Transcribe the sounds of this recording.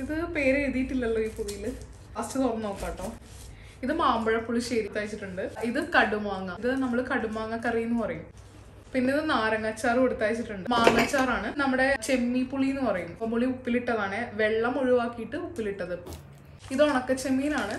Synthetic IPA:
iðɨpe̞ːɾeeðijiʈːilːɐlːɐiːpuðijil | ɐst͡ɕut̪ornːɐnoːkːaːʈːoː | iðɨmaːmbɐɻɐpːuɭiɕeːɾit̪ːaːjt͡ɕːiʈːuɳɖɨiðɨkɐɽumaːŋːɐðɨnɐmːɐɭkɐɽumaːŋːɐkːɐrijunːɨpɐrɐjum | pinːe̞iðɨnaːɾɐŋːɐt͡ɕːaːrkoɽut̪ːaːjit͡ɕːiʈːuɳɖɨmaːŋɐt͡ɕːaːraːɳɨnɐmːuɽe̞t͡ɕe̞mːipuɭijunːɨpɐrɐjummuɭiupːiliʈːɐðaːɳeʋe̞ɭːɐmoɻiʋaːkːijiʈːɨupːiliʈːɐðɨ | iðoɳɐkːet͡ɕe̞mːijilaːɳɨ

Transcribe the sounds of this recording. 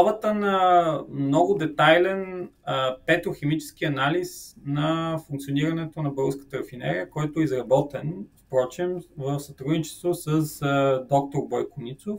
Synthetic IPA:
avət̪ənɐmnɔɡʊd̪ɛt̪ajlɛn | pɛt̪oxɛmit͡ʃɛ̥sk̟iɐnalisnɐfũŋkt̪sioniɾɐnɛt̪onɐbɛɡəskə̥t̪əɾɐfinɛ̰ɾiəkɔjt̪oizɾɐbɔt̪ɛnspɾɔt͡ʃimvəfsɐt̪ɾud̪nit͡ʃɛ̥st̪vosəsd̪ɔk̚t̪oɾbɔjkʊnit̪sof

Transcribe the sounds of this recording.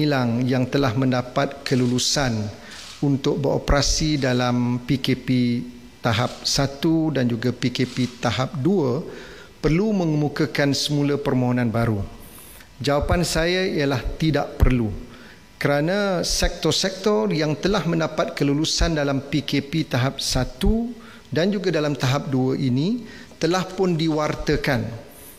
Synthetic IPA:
ilaŋjaŋt̪əlahmə̃ndapat̪̚kəlulusan | unt̪ʊk̚bəɾo̰pəɾasidalampikepi | t̪aɦap̚sat̪udand͡ʒuɡapikepit̪aɦap̚duə | pərlumə̃ŋəmukakansəmũlapərmõɦonãnbaɾu | d͡ʒawapansajaijalaht̪idaʔpərlu | kəɾanãsɛk̚t̪ɔrsɛk̚t̪ɔrjaŋt̪əlahmə̃ndapat̪̚kəlulusandalampikepit̪aɦap̚sat̪u | dand͡ʒuɡadalamt̪aɦap̚duəʔinĩ | t̪əlahpʊndiwart̪əkan

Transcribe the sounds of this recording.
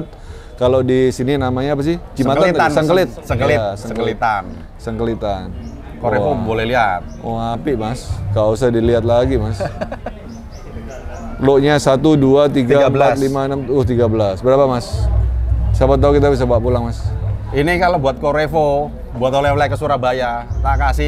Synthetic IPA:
t̪̚ | kalodisininamaɲaap̬as̬ɪhd͡ʒimat̪aaasəŋkəlɪt̪̚səŋklisəkəlit̪an | səŋkəlit̪an | koɾeobolɛhliat̪̚oapɪʔmaskaus̬ahdiliat̪̬̚laɡimas | loʔɲasat̪uduat̪iɡamlalimaənəmt̪ʊht̪iɡabəlasbəɾapamas | sabat̪ːaukit̪̬abis̬abat̪̚pulaŋmasinikalobuat̪̚koɾefo | buat̪oleflakəsuɾahbajanakasɪ

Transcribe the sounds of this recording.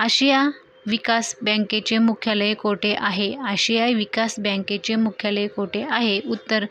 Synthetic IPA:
aɕija | ʋikasbə̃ket͡ɕemukʰjaləjekoʈeʔaɦeaɕijaʋikasbə̃ŋket͡ɕemukʰjaləjekoʈeaɦeʔut̪ːəɾ

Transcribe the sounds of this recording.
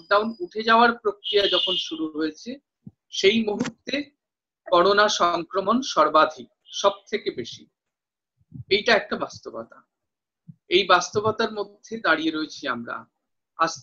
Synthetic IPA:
k̚ɖawnuʈʰed͡ʑaoaɾpɾokɾijad͡ʑɔkʰonʃuɾuɦojet͡ɕʰe | ʃejmuɦut̪ːe | kɔɽ̃onaʃɔŋkɾomonʃɔɾbad̪ʱik̚ʃɔb̚t̪ʰekebeʃi | ejʈaɛk̚ʈabast̪obɔ̰t̪a̰ | ejbast̪obot̪aɾmod̪ʱːed̪aɽieɾoet͡ɕʰia̰mɾa̰ | as

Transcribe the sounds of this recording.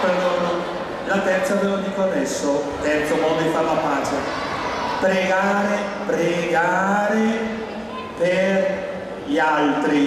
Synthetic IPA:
peɾd̪oːno | lat̪ɛnt̪soavevoɲːikonːɛsːo | t̪ɛnt̪sokamifavapaːt͡ʃe | pɾeɡaːɾe | pɾeɡaːɾe | per | ʎialt̪ɾi

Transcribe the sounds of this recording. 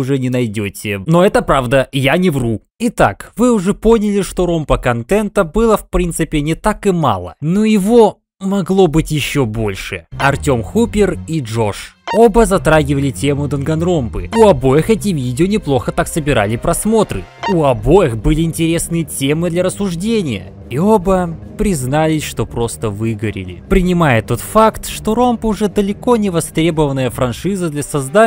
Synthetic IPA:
ʊʐɛnʲɪnɐjdʲotʲɪno̞ɛt̪əpɾavd̪əjanʲɪvru | ɪt̪a̰kvɨʊʐɛpo̞nʲɪlʲɪʂt̪o̞ɾo̞mpəkɐnt̪ɛnt̪əbɨlˠəfpɾʲint̪sɨpʲɪnʲɪt̪akɨma̰lˠə̰nojɪvo | mɐɡlˠo̞bɨtʲjɪɕːo̞bo̞lʲʂɨɐrtʲo̞mxupʲɪriʐo̞ʂobəzɐt̪ɾaɡʲɪvəlʲɪtʲe̞mʊd̪ənɡɐnro̞mpɨʊɐbo̞jɪxɛtʲɪvʲidʲɪonʲɪplˠo̞xət̪aksəbʲɪɾa̰lʲɪpɾɐsmo̞t̪ɾɨ̰ | ʊɐbo̞jɪxbɨlʲɪɪnʲtʲɪɾʲe̞snɨjətʲe̞mɨd̪lʲɐɾəsːʊʐdʲenʲɪjə̰ | io̞bəpɾʲɪznalʲɪʂt̪o̞pɾo̞st̪əvɨɡəɾʲɪ̰lʲɪ̰pɾʲɪnʲɪmajɪt̪ːo̞t̪fakt̪ʂt̪o̞ɾo̞mpəʊʐɛd̪əlʲɪko̞nʲɪvɐst̪ɾʲe̞bəvənːəjəfɾɐnʂɨzəd̪lʲɐsɐzd̪a

